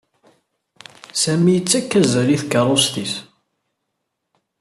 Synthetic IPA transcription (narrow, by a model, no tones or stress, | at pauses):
sæmijət͡sːækːæzæliθkəɾˤost̪is